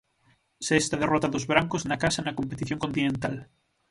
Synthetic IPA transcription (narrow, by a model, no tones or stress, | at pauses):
sest̪að̞erɔt̪aðozβɾaŋkoznakasanakompet̪iθjoŋkont̪inẽnt̪al